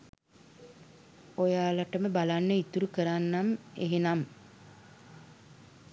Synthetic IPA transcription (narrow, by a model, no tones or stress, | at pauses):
ojaːlaʈəməbalanːəit̪uɾukəɾanːamḛɦenam